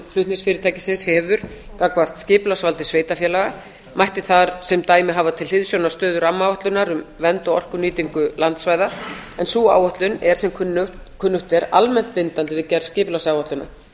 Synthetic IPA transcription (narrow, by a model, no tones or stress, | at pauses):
flʏht̪nɪsfɪːɾɪɾt̪ʰaːjcɪsɪnshɛvʏɾ̥kakvar̥t̪scɪːplasvalt̪ɪ̥sveːjt̪afjɛːlaɣa | majht̪ɪθaɾsɛmt̪aːjmɪɦaːvat̪ʰɪlhɪðsjownḁst̪œːðʏɾamːawɔht̪lʏnaɾʏmvɛnt̪ɔɔr̥kʏniːt̪iŋkʏlant̪svajðaɛnsuːa̰ːwœht̪lʏnɛɾ̥sɛmkʰʏnːʏht̪ɛɾa̰lmɛn̥t̪pɪnt̪ant̪ɪvɪðcɛɾscɪːplasaːwɔht̪lʏna̰